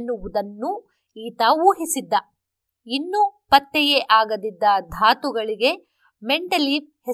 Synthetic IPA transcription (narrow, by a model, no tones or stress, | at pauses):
nːuʋud̪ɐnːu | iːt̪ɐuːɦisid̪ːɐ | inːupɐt̪ːɛjeʔaːɡɐd̪id̪ːɐd̪ʱaːt̪uɡɐɭiɡe̞ | meɳʈɐliːp̚he